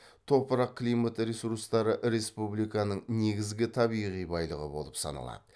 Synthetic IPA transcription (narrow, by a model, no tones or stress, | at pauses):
t̪ʰo̞pəɾɑq̚kʲʰlˠijmat̪ɾe̞suɾst̪ɑɾəʔɾe̞spublijkɑnəɴne̞ɡʲɪzɡʲɪt̪ʰɑbijʁijbɑjlˠəʁə̰bo̞lˠəpsɑ̰nɑ̰lˠɑ̰d̪ə